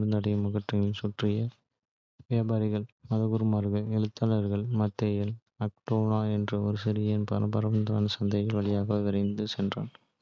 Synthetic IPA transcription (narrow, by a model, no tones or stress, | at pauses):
ɾɯnd̪ɐɽɐjɐmɐɣɐʈrɪŋɪnsʊʈrɪjɐ | ʋjaːbaːɾɪɣɐɭmɐðɐɣʊɾɯmaːɾɣɐɭɛɻɯt̪ːalɐɾɣɐɭmɐt̪ːejɐl | ɐk̚ʈoːnaːɛndrɐɔɾɯsɪɾɪjɐnpɐ̰nɐpɐɾɐʋɐnd̪aːnɐsɐnd̪ɐɣɐlʋɐɭɪjaːɣɐʋʋɪɾɐɪnd̪ɯsɛndra̰ːn